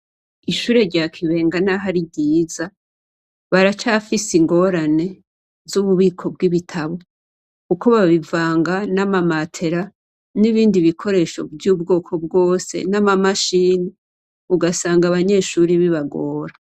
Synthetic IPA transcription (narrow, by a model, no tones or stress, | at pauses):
iʃuːɾe̞ɾɟaːkʰiβe̞ːŋɡanaɦaɾiɟiːza | βaɾat͡ʃafisiŋɡo̞ɾane̞ | zuβuβiːkʰo̞b̚ɡiβitʰaβo̞ | kuko̞βaβivaːŋɡanamamatʰe̞ɾa | niβiːndiβikʰo̞ɾe̞ʃo̞̰vjuːbɡo̞ːkʰo̞b̚ɡo̞ːse̞̰namamaʃiːni | uɡasaːŋɡaβaɲe̞ːʃuːɾiβiβaɡoːɾa